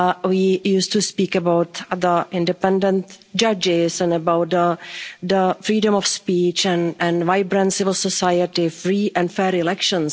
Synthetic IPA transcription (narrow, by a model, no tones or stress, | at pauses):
wiːjuːstuspiːkəbawt̪d̪əʔɪ̃ndɛpɛ̃ndə̃nt | d͡ʒad͡ʒɪsɛ̃nəbawt̪̚d̪əd̪əfɾiːdə̃mɔfspiːt͡ʃɛ̃nɛ̃nvaɪbɾə̃nsɪvɪlˠsɔsajətɪfɹiːʔɛ̃nfɛːɾɪlɛkʃə̃ns